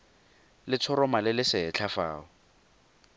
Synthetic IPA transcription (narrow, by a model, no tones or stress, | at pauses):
lɪt͡sʰɔɾɔmalɪlɪsɪɛt͡ɬʰafaːʊ